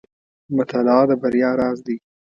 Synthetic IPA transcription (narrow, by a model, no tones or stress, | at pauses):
mʊt̪alɑːd̪əbaɾjɑːɾɑːzd̪i